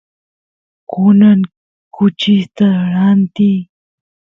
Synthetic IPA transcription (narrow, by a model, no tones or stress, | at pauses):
kʊnaŋ | kʊt͡ʃɪst̪aɾant̪i